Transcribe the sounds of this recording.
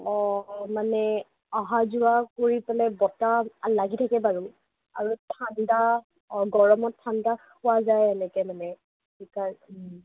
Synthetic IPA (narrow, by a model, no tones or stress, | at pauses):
ɔmanɛ | aɦazʊwakoɹipɛlɛbɔtalaɡitʰakɛbaɹum | a̰ɹutʰanda | ɡɔɹɔmɔtʰːandax | ʊwazajɛnɛkɛmanɛ | sikaɹ